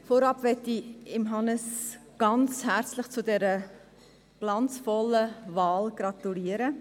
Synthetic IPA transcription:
foɾɑpvɛtːiɪmɦɑnəsɡ̥ɑnt͡shæɾt͡slɪχt͡sudɛɾə | b̥lɑnt͡sfɔlːəvɑːlɡ̥rɑt̪uliːəɾə

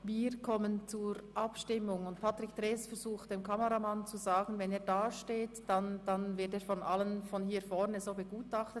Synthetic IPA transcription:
viːɾkʰɔmənt͡suːɾʔɑpʃtɪmʊŋʊntpʰatɾɪktʁeːsfɛɾzuːxt̚d̥eːmkʰɑməʁamant͡suzaːɡn̩vɛneːɐdaːʃteːtd̥and̥anvɪɐteːɾfɔnʔalənfɔnhiːfɔɾnəzoːbəɡuːtɑχtət

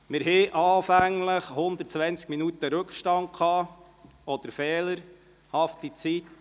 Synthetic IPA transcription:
mɪɾɦɛʔɑːfæŋləχhʊnd̪ət̚t͡sʋɛnt͡skminut̪əɾɵkχʃtɑŋkχɑː | ɔd̪̥əɾfɛːləɾ | hɑft̪it͡sit

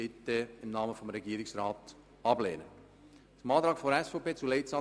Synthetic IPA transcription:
ɪtːeɪnnɑːməfɔmɾɛɡiːɾɪksrɑːt | ɑbleːnə̰ | mɑːd̥̪ɾɑːkfoɾɛsfopʰeːt͡sulɛɪtsɑ

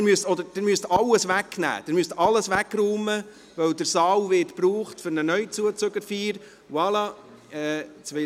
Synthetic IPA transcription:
myəst̪ɔd̪əɾd̥ɪmyəst̪ɑlːəsʋæknæ̰ːd̥̪ɛmyəst̪ʔɑlːəsʋækɾuːmə | ʋœwd̪əɾsɑːwvɪtpɾuːχtfʏɾnənœʏt͡suət͡søɡəɾfiːɾ | wɑlɑ | ɛːt͡sʋɛ

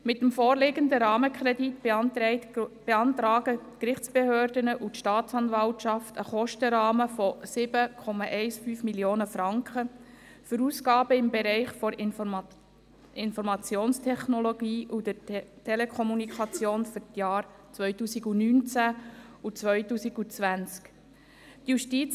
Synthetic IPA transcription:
mɪtːəmfoːrlɪɡənd̪əɾɑːməkʰɾɛdit | b̥eɑntɾɑːɡ̥ətkɾɪχt͡sb̥ehøːrdənəʔutʃtɑːtt͡sɑnvɑltʃɑftəχɔʃtəɾɑːməfɔsɪbəkʰɔmɑʔɛɪsfyːfmiljoːnəfɾɑŋkχə | fʏɾuːskɑːbəɪmbeɾɛɪχfɔɾ | ɪnfɔɾmɑt͡sjoːnstʰɛχnɔloɡiːʔud̪ətʰɛlekʰɔmunikʰχɑt͡sjoːnfʏɾtjɑːɾ | t͡sʋœʏtuːsiɡunyːnt͡sæut͡sʋœʏtuːsiɡut͡sʋænt͡sk | tjuʃtit͡s

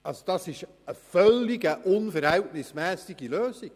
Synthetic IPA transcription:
ɑlsod̥ɑsɪʃ | əfœlːɪɡəʔʊnfəɾhɛltnɪsmɛːsiɡiløːsi

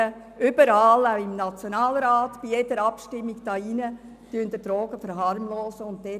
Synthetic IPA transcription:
ə | ʔʏbəɾɑːlaʊɪmnɑt͡sjonɑːlɾɑːtb̥ijedəɾɑpʃtɪmːiɡd̥ɑːinə | tyənd̥̪əfɾoːɡ̥əfəɾɦɑɾmloːsəʊntdɛ

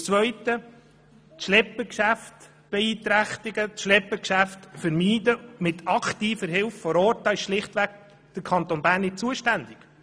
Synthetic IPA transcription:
t͡sʋœʏt̪ə | tʃlɛpːəkʃæft | b̥ɛiːt̪ɾæχt̪ɪɡətʃlɛpːəkʃæftfəɾmiːdəmɪt̪ʰɑkʰt̪iːfəɾɦɪlffɔɾoːtɑːɪʃʃlɪχtʋæɡ | d̪̥əɾkʰɑnt̪onbæːɾnːɪt̚t͡suəʃtænd̪ɪɡ̥

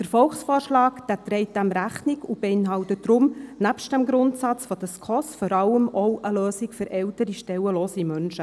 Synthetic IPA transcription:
d̥əɾfɔlχsfɔːrʃlɑːkd̥æːt̪ɾɛɪt̚d̥æmɾæχnɪkub̥eɪnɦɑwtədɾʊmnæpʃt̚d̥æmɡɾʊntsɑt͡sfɔd̥əskʰɔsfɔɾɑləmʔɔwʔəløːsɪkfʏɾɛltəɾiʃtɛwəloːsimœnʃə

